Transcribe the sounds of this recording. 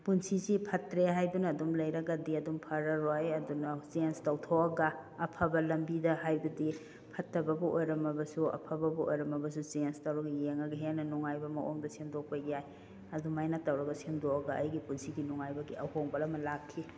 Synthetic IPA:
punsisipʰɐtɾeɦajbɐnɐːdumlɐjɾɐɡɐdiɐdumpʰɐɾɐɾojɐdunɐsenstɐwtʰowɐɡɐːpʰɐbɐlɐmbidɐhajbɐdi | pʰɐtːɐbɐbɐʔojɾɐmɐbɐsuɐ̰pʰɐbɐbɐʔo̰jɾɐmɐbɐs̬uzenstɐwɾɐɡɐjeŋɐɡɐɦenɐnuŋajbɐmɐʔoŋdɐsemdok̚pɐjaj | ɐdumajnatːɐwɾɐɡɐsemdoɐɡɐʔɐjɡipunsiɡinuŋajbɐɡiɐhoŋbɐlɐmɐlakʰːi

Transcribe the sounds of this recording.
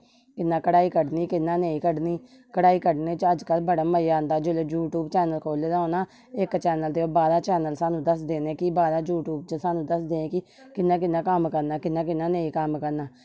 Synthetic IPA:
kɪnːãːkəɽaːiːkəɖniːkɪnːãːneːĩːkəɖniː | kəɽaːiːkəɖnẽːt͡ʃəd͡ʒkəlbəɽaːməiãːnd̪aːd͡ʒʊleːd͡ʒuːʈuːbt͡ʃɛːnəlkʰoːleːd̪aːɦoːnaː | ɪkt͡ʃɛːnəld̪eːoːbaːd̪ãːt͡ʃɛːnəlsaːnũːd̪əsd̪eːnẽːkɪbaːd̪ãːd͡ʒuːʈuːbt͡ʃəsaːnũːd̪əsd̪eːẽːkɪ | kɪnːãːk̬ɪnːãːkəmkəɾnaːkɪnːãːkɪnːãːneːĩːkəmkəɾnaː

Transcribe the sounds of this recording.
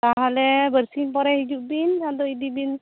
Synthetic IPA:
taɦalɛbəɾsimpɔɾɛhid͡ʒuʔbinad̪ɔidibin

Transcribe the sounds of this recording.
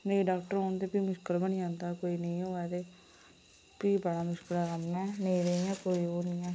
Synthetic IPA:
nə̃ĩɖaːk̚ʈəɾoːnd̪eːpiːmʊʃkəlbəniãːnd̪aːkoːiːnəĩːoːɛːd̪eː | piːbəɽaːmʊʃkəlaɾanɛ̃ːnə̃ĩɾeɛ̃ːkoːiːoːnə̃ːɛ̃ː

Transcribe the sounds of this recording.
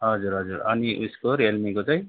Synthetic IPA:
ɦʌd͡zuɾɦʌd͡zuɾʌ̰niʔṵskoɾelmikot͡saj

